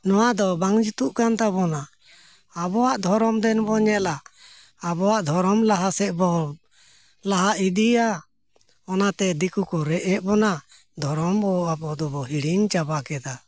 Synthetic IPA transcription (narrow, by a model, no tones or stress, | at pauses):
nɔwad̪ɔbaŋd͡ʒut̪uʔkant̪abɔnaː | bɔwaʔd̪ʱɔɾɔmd̪ɛnbɔɲɛlaː | bɔwaʔd̪ʱɔɾɔmlaɦasɛʔbɔ | laɦaʔid̪ia | ɔnat̪ɛd̪ikukɔɾɛʔɛʔbɔna | d̪ʱɔɾɔmbɔabɔd̪ɔbɔɦiɽiɲt͡ʃabakɛd̪a